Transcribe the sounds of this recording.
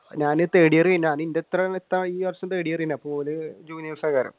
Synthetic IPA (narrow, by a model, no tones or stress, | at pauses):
ɲaːnɨt̪eːɽijɐrijinːaːnindet̪ːɾɐet̪ːaːiːʋɐrʂɐmt̪eːɽijɐriinːapoːlɨd͡ʑuːnjɐʋɐsɐkaːɾɐ̰m